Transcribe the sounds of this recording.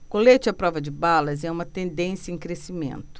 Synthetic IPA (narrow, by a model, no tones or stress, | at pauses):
kolet͡ʃɪɐpɾɔvɐd͡ʒɪbalɐzɛũmɐt̪ẽnd̪ẽsjɐẽj̃kɾesimḛ̃nt̪ʊ̥